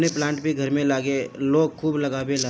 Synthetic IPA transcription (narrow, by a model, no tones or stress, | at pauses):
neplãːɳʈbʱiɡʱɐɾmẽlaːɡeloːɡkʰuːblɐɡaːbelɐ